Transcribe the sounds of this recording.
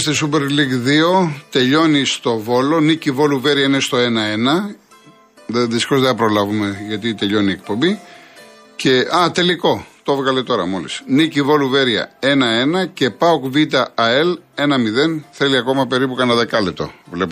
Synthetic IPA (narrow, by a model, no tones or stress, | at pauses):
st̪es̬upe̞ɾliɡðio̞t̪e̞ʎo̞nist̪o̞vo̞lo̞nicivo̞luve̞ɾiɐine̞st̪o̞e̞nɐe̞nɐ | ðeðisi̥kozðeθɐpɾo̞lɐvume̞ʝɐt̪it̪eʎo̞niek̚po̞mbi | ce̞ɐt̪e̞liko̞t̪ovɣɐle̞t̪o̞ɾɐ̰mo̞lḭsnicivo̞luve̞ɾiɐ̰e̞nɐe̞nɐce̞pɐokvit̪̬ɐɐe̞le̞nɐmiðe̞nθe̞liɐko̞mɐpe̞ɾipukɐnɐðɐkɐlet̪o̞̰vle̞p